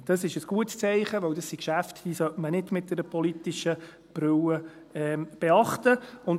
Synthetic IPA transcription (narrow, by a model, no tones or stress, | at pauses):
d̥ɑsɪʃəsɡ̥uətst͡sɛɪχəʋœwdɑsːikʃæftd̥iːsœtmənɪdmɪt̚d̥ɛɾəpʰɔlitiʃə | b̥ɾʏwə | ɛb̥eɑχtəʊn